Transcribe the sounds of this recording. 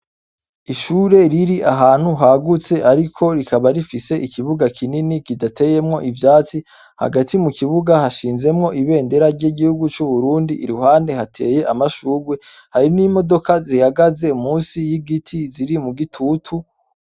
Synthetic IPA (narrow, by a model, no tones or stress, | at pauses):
iʃuːɾe̞ɾiɾiʔaɦaːn̥huɦaɡut͡se̞ʔaɾikʰo̞ɾikaβaɾifise̞ʔikʰiβuɡakʰininikidatʰe̞je̞mŋo̞ʔivjaːt͡si | ha̰ɡatʰimukiβuɡahaʃiːnze̞mŋo̞ʔiβe̞ːnde̞ɾaɾɟiɡihuɡut͡ʃuβuɾuːndiʔːɾuɦaːnde̞hatʰe̞̰ːje̞ʔamaʃuːɾɡwe̞ | haɾinimo̞do̞kazihaɡaze̞umuːnsijiɡitʰiziɾimuɡitʰutʰu